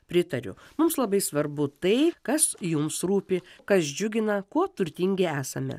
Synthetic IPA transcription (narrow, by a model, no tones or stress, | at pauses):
pʲɾʲɪt̪ɐɾʲʊ̰mʊmslˠɐbɐɪsʋɐɾbʊt̪ɐɪkɐsjʊmsɾuːpʲɪkɐsd͡ʒʲʊɡʲɪnɐkuɔt̪ʊɾʲt̪ʲiŋʲɡʲeæːsɐmʲɛ̰